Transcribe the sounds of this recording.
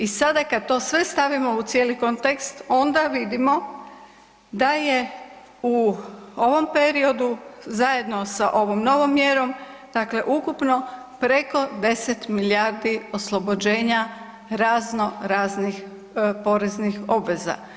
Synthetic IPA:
isad̪akad̪̚t̪o̞ːsʋe̞st̪aʋimo̞ut̪sjeːliko̞nt̪ekst̪o̞nd̪aʋid̪imo̞ | d̪aje̞ | uo̞ʋo̞mpe̞ɾio̞d̪uzaje̞d̪no̞saʔo̞ʋomno̞ʋo̞mːjeɾo̞m | d̪̥akle̞ʔukupno̞ | pɾeko̞d̪e̞set̪miliaːɾd̪io̞slˠo̞bo̞d͡ʑe̞ːɲa | ɾaːzno̞ɾaːznix | po̞ɾe̞znixo̞bʋe̞za̰

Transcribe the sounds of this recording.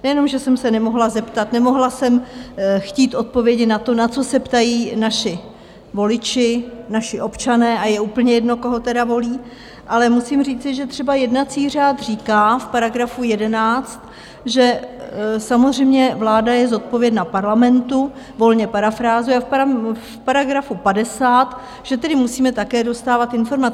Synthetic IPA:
nɛjɛno̞mʒɛsɛmsɛnɛmo̞ɦlazɛpt̪at̪nɛmo̞ɦlasɛmxciːt̪ʔo̞t̪̚po̞vjɛɟɪnat̪o̞nat͡so̞sɛpt̪ajiːnaʃɪ | vo̞lɪt͡ʃɪnaʃɪʔo̞pt͡ʃanɛːʔajɛuːpl̩ɲɛjɛdno̞ko̞ɦo̞t̪ɛdavo̞liː | ʔalɛmusimriːt͡sɪʒɛt̪r̝̥ɛbajɛdnat͡siːr̝aːt̪r̝iːkaːfpaɾaɡɾafujɛdɛnaːt͡st̪ | ʒɛ | samozr̝ɛjmɲɛvlaːdajɛzo̞t̪̚po̞vjɛdnapaɾlamɛnt̪u | vo̞lɲɛpaɾafɾaːzuafpafpaɾaɡɾafupadɛsaːt̪ | ʒ̥ɛt̪ɛdɪmusiːmɛt̪akɛːdo̞st̪aːvat̪ɪnfo̞ɾmat͡s

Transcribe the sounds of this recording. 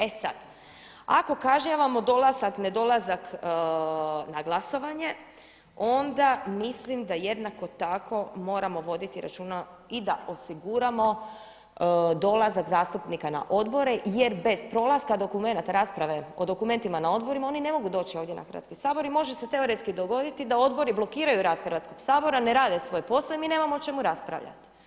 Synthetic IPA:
e̞sa̰d̪̥ | a̰ko̞kaʒɲaʋamo̞d̪o̞lazakne̞d̪o̞lˠazak | naɡlˠaso̞ʋaɲe̞ | o̞nd̪amislimd̪aje̞d̪nako̞t̪akʰo̞mo̞ːɾamo̞ʋo̞d̪it̪iɾa̰t͡ʃuːna | id̪aʔo̞siɡuɾamo̞ | d̪o̞lazakzaːst̪upnikana̰ʔo̞d̪bo̞ɾe̞je̞ɾbe̞zpɾo̞ːlˠaskad̪o̞kume̞nat̪aɾaːspɾaʋe̞o̞d̪o̞kume̞nt̪imanao̞d̪bo̞ɾimao̞nine̞mo̞ɡud̪o̞ːt͡ʃioʋd̪jena̰xər̩ʋa̰t̪kisaːbo̞ɾimo̞ʒe̞se̞t̪e̞o̞ɾe̞t̪skid̪o̞ɡo̞d̪it̪id̪ao̞d̪bo̞ɾiblˠo̞kiːɾajuɾaːd̪xr̩ʋat̪sko̞ɡ̥saːbo̞ɾane̞ɾaːd̪e̞sʋo̞jpo̞saemine̞ːmamoot͡ʃe̞muɾaspɾa̰ʋʎa̰t̪i̥

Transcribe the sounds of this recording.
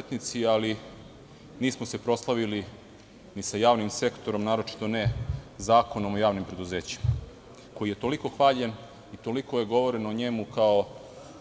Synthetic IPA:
et̪nit̪siali | niːsmose̞pɾo̞slˠaʋili | nisajaːʋnimse̞kt̪o̞ɾo̞mnaːɾo̞t͡ʃi̥t̪o̞nezaːko̞no̞mojaːʋnimpɾe̞d̪uze̞ːt͡ɕi̥ma | ko̞jije̞t̪o̞liko̞xʋaːʎen | it̪o̞liko̞je̞ɡo̞ʋo̞ɾe̞noɲemukao

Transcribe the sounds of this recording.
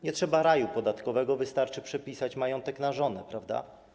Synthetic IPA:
ɲɛtʂɛbaɾajupɔd̪at̪kɔvɛɡɔvɘst̪aɾt͡ʂɘpʂɛpʲisat͡ɕmajɔnt̪ɛknaʐɔnɛpɾavd̪a̰

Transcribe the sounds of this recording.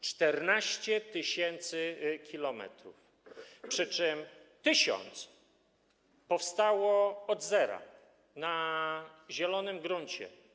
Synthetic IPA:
t͡ʂt̪ɛɾnaɕt͡ɕɛt̪ɘɕɛnt̪sɘkʲilɔmɛ̰t̪ɾṵf | pʂɘt͡ʂɛmt̪ɘɕɔ̰nt̪s | pɔfst̪awɔɔd̪zɛɾa̰ | na | ʑɛlɔnɘmɡɾuɲt͡ɕɛ̰

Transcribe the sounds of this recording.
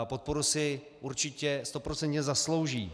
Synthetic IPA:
po̞t̪̚po̞ɾusɪ | ʔuɾt͡ʃɪcɛst̪o̞pɾo̞t͡sɛnt̪ɲɛzaslo̞wʒiː

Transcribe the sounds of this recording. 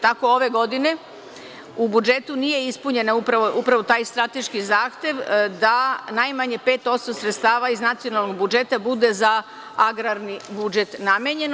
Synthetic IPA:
t̪ako̞o̞ʋe̞ɡo̞d̪ine̞ | ubud͡ʒe̞t̪unije̞ispuɲe̞naupɾaʋoʔupɾaʋo̞t̪aːjst̪ɾat̪e̞ʃkizaːxt̪je̞ʋd̪anajmaɲe̞pe̞ːt̪o̞t̪st̪osɾet̪st̪aːʋaiznat̪sio̞nalˠno̞ɡ̚bud͡ʒe̞t̪abud̪e̞za | aɡɾaɾnibud͡ʒe̞t̪namjeɲe̞n

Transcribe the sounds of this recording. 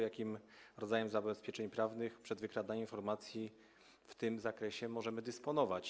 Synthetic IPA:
jakʲimɾɔd̪zajɛmzabɛspʲjɛt͡ʂɛɲpɾavnɘxpʂɛd̪vɘkɾad̪aɲminfɔɾmat̪sʲji | ft̪ɘmzakɾɛɕɛmɔʐɛmɘd̪ɘspɔnɔvat͡ɕ

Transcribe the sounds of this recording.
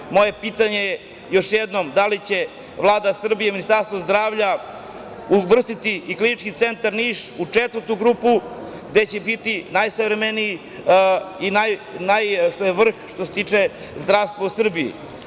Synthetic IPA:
mo̞je̞pit̪aɲe | jo̞ʃjed̪no̞md̪alit͡ɕe̞ | ʋlˠaːd̪asr̩bijeminist̪aɾst̪ʋo̞zd̪ɾaːʋʎa | uʋr̩st̪it̪iiklinit͡ʃkit̪se̞nt̪aɾniːʃut͡ʂet̪vərt̪uɡɾuːpu | ɡd̪et͡ɕebit̪inajsavɾemeniji | inajnajʃt̪ojeʋr̩xʃt̪oset̪iːt͡ʂe | zd̪ɾaʋst̪ʋausr̩bijḭ

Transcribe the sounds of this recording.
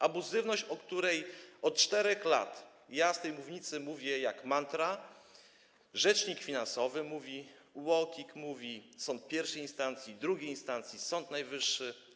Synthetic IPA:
ʔabuzɘvnɔɕt͡ɕɔkt̪uɾɛjɔt̪̚t͡ʂt̪ɛɾɛxla̰t̪ | jast̪ɛjmuvɲit̪sɘmuvʲjɛjakmant̪ɾa | ʐɛt͡ʂɲikfʲinansɔvɘmuvʲi | wɔkʲikmuvʲisɔnt̪̚pʲjɛɾfʂɛjinst̪ant̪sʲjid̪ɾuɡʲejinst̪ant̪sʲjisɔnt̪najvɘʂːɘ

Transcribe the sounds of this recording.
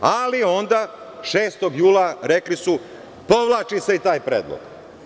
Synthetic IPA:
alio̞nd̪a | ʃeːst̪o̞ɡjuːlaɾe̞klisu | po̞ʋlˠaːt͡ʃise̞it̪aːjpɾḛːd̪lˠo̰ɡ̥

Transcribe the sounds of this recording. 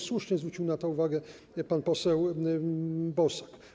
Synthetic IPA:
swuʂɲɛzvɾut͡ɕiwnat̪ɔuvaɡɛ | panpɔsɛw | bɔsḁk

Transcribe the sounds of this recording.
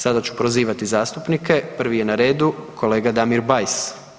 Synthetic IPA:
sad̪at͡ɕu̥pɾoziːʋat̪izaːst̪upnike̞pr̩ʋije̞naɾe̞ːd̪ukʰo̞le̞ːɡad̪amiɾbajs

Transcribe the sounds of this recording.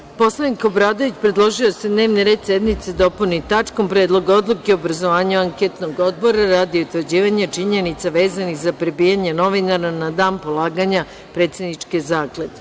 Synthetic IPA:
po̞slˠaniko̞bɾaːd̪o̞ʋit͡ɕpɾed̪lˠo̞ʒiosed̪ne̞ːʋniɾe̞ːd̪sed̪mit̪sed̪o̞punit̪at͡ʂkompɾe̞ːd̪lˠo̞ɡao̞d̪lˠukeoobɾazo̞ʋaːɲuaŋket̪noɡo̞d̪̚bo̞ɾaɾaːd̪ieut̪ʋəɾd͡ʑiːʋaɲat͡ʂiɲenit̪saʋe̞ːzanixzapɾebiːjaɲeno̞ʋinaɾanad̪aːnpolˠaːɡaɲa | pɾeːt̪sed̪nit͡ʂkezaːkled̪

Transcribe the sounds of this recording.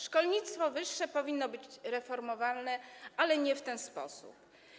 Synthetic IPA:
ʂkɔlɲit̪st̪fɔvɘʂːɛpɔvʲinːɔbɘt͡ɕɾɛfɔɾmɔvalnɛalɛɲɛft̪ɛnspɔ̰sṵp

